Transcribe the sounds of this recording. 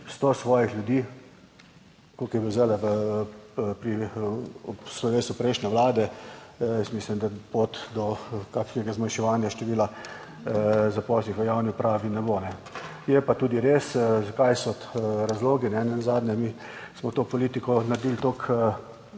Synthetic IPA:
st̪osʋɔːjixlʲjʊd̪iː | kokibɛzɛlɛʋə | pɾi | pslɔɾeːsupɾɛɪʃnʲɛʋlaːd̪ɛjɛst̪mislimd̪apot̪d̪ɔkakʃnɛɡazmajʃɛʋaːnjaʃt̪ɛʋiːla | zapɔːsnixʋəjawniʊpɾaːʋinɛboːnɛ | jɛpat̪uːd̪iɾeːszakajsɔɾazloːɡinɛnɛnazaːd̪nʲɲɛmi | smɔt̪oːpɔliːt̪ikɔnɐɾd̪iːlt̪oːkə

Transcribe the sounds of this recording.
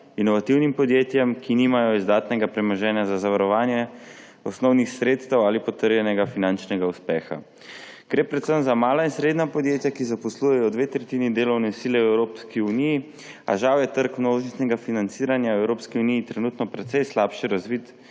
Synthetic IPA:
inɔʋat̪iwnimpɔd̪jeːt̪jɛmkʰinimajɔizd̪aːt̪nɛɡapɾɛmɔʒɛːnjazazaʋaɾɔʋaːnjɛ | ɔsnɔwnixsɾeːt̪st̪ɛwaːlipɔt̪əɾjɛnɛɡafinant͡ʃnɛɡauspɛːxa̰ | ɡ̥ɾeːpɾɛt̪səmzamaːlainsɾeːd̪napɔd̪jeːt̪jakizapɔslujɛjɔd̪ʋeːt̪ɾɛt̪iːnid̪eːlɔwnɛsiːlɛwɛwɾopskiuniji | a̰ʒawjɛt̪əɾkmnoːʒist̪nɛɡafinant̪siːɾanjawɛwɾoːpskiunijit̪ɾɛnut̪nɔpɾɛt̪sɛjslaːpʃɛɾazʋit̪

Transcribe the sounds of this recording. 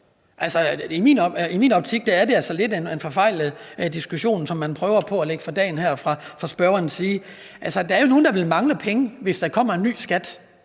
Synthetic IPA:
ʔælsəimḭːnɒimiːnɒ̽b̥t͡sʰiɡ̥̚d̥ææɐde̝ælsɒle̝d̥enenfɒ̽fɑ̈ɪ̰lð̩ˠd̥isɡ̥uɕo̝̰ːnsɒ̽mːænpʰʁœːʊɐpʰɒ̽æle̝ɡ̥əfʁɑ̈d̥ɛ̰ːnhæɐ̰fʁɑ̈fʁɑ̈sb̥ɶɐɐnsiː | ʔælsəd̥ææɐjo̝no̝ːn̩d̥ɑʋe̝lmɑ̈ŋləpʰeŋəʋe̝sd̥æ̈kʰɒ̽m̰ɐe̝nːy̰ːsɡ̥æd̥

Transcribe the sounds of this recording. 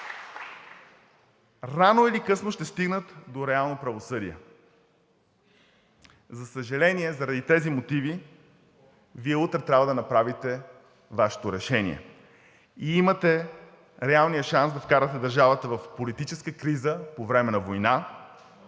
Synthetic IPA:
ɾanoilikɤsnoʃt̪ɛst̪iɡnət̪d̪oɾɛalˠnopɾɐvosɤd̪iɛ̰ | zɐsəʒɐlɛniɛzɐɾɐd̪it̪ɛzimot̪ivi | viɛut̪ɾɛt̪ɾʲabvəd̪ɐnɐpɾavit̪ɛ | vaʃɛ̥t̪oɾɛʃɛnḭɛ̰ | iimət̪ɛ | ɾɛalˠnijəʃansd̪ɐfkaɾət̪ɛd̪əɾʒavət̪əvɐfpolit̪it͡ʃɛskəkɾizəpovɾɛmɛnɐvojna

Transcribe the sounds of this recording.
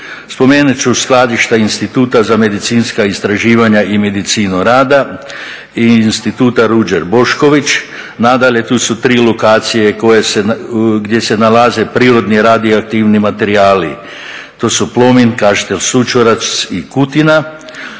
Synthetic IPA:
spo̞meːnut͡ʃusklˠad̪iʃt̪ainst̪it̪uːt̪azame̞d̪it̪siːnskaist̪ɾaʒiːʋaɲaʔime̞d̪it̪siːnuɾaːd̪a | iːnst̪it̪uːt̪aɾud͡ʒeɾbo̞ʃko̞ʋit͡ʃ | nad̪aʎe̞t̪uːsut̪ɾiːlokaːt̪sije̞ko̞jeseɡd̪ʲje̞se̞nalaze̞pɾiːɾo̞d̪niɾad̪ioak̚t̪iːʋnimat̪e̞ɾiaːli | t̪o̞ːsuplˠo̞minkaʒi̥t̪elʲsut͡ʃoɾasikut̪ina

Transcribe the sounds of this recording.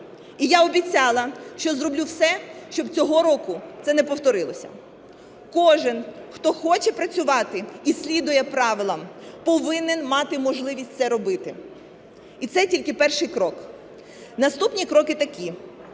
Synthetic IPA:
ijaɔbʲit͡sʲɑlˠɐʃt͡ʃɔzrɔblʲuwsɛʃt͡ʃɔbt͡sʲɔɦɔɾɔkʊt̪sɛnɛpɔwt̪ɔɾɪlˠɔsʲɐ̰ | kɔʒɪnxt̪ɔxɔt͡ʃɛpɾɐt͡sʲʊʋɑt̪ɪisʲlʲid̪ʊjɛpɾɑʋɪlˠɐmpɔʋɪnɪnmɑt̪ɪmɔʒlˠɪʋʲisʲt̚ʲtsɛɾɔbɪt̪ɪ | it̪sɛtʲilʲkɪpɛrʃɪjkɾɔk | nɐst̪upnʲikɾɔkɪt̪ɐkʲi

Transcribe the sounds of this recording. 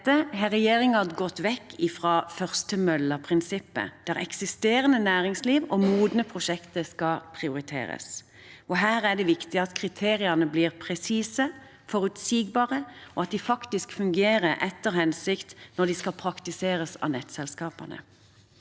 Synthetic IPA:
əɦɛʁɛjeːʁɪŋɑd̪ɡɔt̪ːʋɛkːɪfʁɑːfœʁst̪ʰəmœlːəpʰʁɪnsɪpːə̰d̪̥ææʁɛ̰ksɪst̪eːɾənənæːʁɪŋsliːʋɔmuːd̪nəpʰʁʊʃɛkt̪əskɑpʰʁɪʊɾɪt̪ʰḛːɾə̰s | ɔɦæːɾæɖ̪ɛʋɪkt̪ɪɑt̪kʰʁɪt̪ʰeːɾɪənəbliːʁpʰʁɛsiːsə | fɔʁʉt̪siːɡbɑːʁəɔɑt̪̚d̪ɪfɑkt̪ɪskfʉŋɡeːɾəʔɛt̪ːəɾhɛnsɪkt̪nɔd̪ɪskɑlpʰɾɑkt̪ɪseːɾəsɑ̰nɛt̪sɛlskɑːpɑ̰nə̰

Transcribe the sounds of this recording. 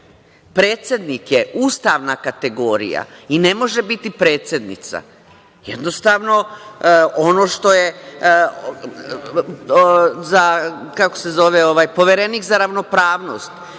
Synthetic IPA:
pɾeːt̪sʲjed̪nikjeuːst̪aʋnakat̪e̞ɡo̞ːɾḭja̰ine̞mo̞ʒe̞bit̪ipɾe̞ːt̪sjed̪nḭt̪sa̰ | jḛd̪nost̪aːʋno̞ | o̞no̞ːʃt̪o̞je | zakakose̞zo̞ʋeoʋaːjpo̞ʋeɾeniːkzaɾaʋno̞pɾaːʋno̰ːst̪

